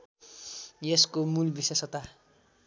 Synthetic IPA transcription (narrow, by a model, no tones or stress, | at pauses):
jeskomulbisesʌt̪a